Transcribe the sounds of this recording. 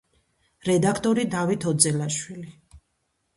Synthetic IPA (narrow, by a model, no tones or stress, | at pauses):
ɾɛd̪akʰt̪ʼɔɾid̪avit̪ʰɔd̪zɛlaʃwili